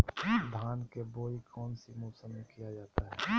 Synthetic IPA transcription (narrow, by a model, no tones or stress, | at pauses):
d̪ʱaːnkeboːikʰɔːnsimuːsəmekijad͡ʒaːt̪aɦɛː